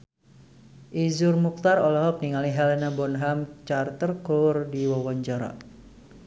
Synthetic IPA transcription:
ʔizʊrmuk̚t̪arɔlɔɦɔk̚niŋaliɦɛlɛnabɔnɦamt͡ʃart̪ərklʊrdiwɔwaɲd͡ʒaɾa̰

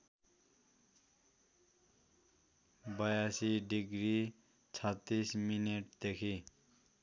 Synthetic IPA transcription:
bʌjasiɖiɡɾi | t͡sʰʌt̪ːismineʈ̚d̪ekʰi

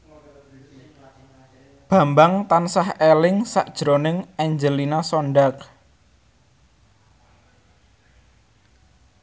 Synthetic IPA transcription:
b̥ä̤mbaŋt̪ansahelɪŋsa̰ʔd̥ʒ̥ɾonɪŋɛɲd͡ʒəlinasɔɳɖak̚

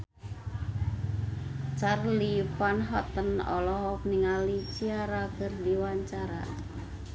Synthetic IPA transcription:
t͡ʃarliupanɦɔt̪ənɔ̰lɔɦɔk̚niŋalit͡ʃiaɾakərdiwaɲt͡ʃaɾa̰

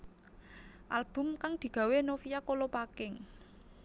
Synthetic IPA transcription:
ʔalb̥ʊ̤mkaŋd̪̥i̤ɡ̥a̤wenofijakolopakɪŋ

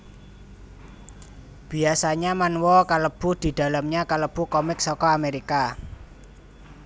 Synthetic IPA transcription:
b̥i̤asaɲamanwɔkaləb̥ṳhd̪̥i̤d̪̥a̤lamɲakaləb̥ṳkɔmɪksɔkɔameɾika

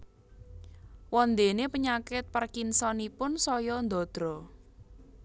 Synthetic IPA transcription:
wɔnd̪enepəɲakɪt̪̚pərkinsɔnipʊnsɔjɔnd̪ɔ̤d̪̥ɾɔ

